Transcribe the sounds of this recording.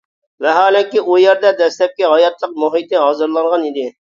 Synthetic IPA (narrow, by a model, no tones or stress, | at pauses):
vɛɦɑːlɪkʲiʔujeɾd̪ɛd̪ɛslɛp̚kʲiɦɑjɑt̪lˠəq̚moɦit̪ɪɦɑːzɨɾlˠɑnʁɑnid̪ɪ